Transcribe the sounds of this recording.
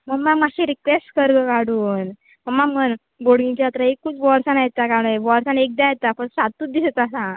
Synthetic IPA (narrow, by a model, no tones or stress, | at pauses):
məɡmaɡmaɡɕĩɾikʋesʈkəɾɡəkaɽuːn | məɳmaɡmən | boɽɡĩt͡ɕaat̪ɾaekːut͡sʋɔɾsanajet̪akaɽ̃eʋɔɾsanek̚d̪ãjet̪apəɾsat̪ːuːd̪isət̪asã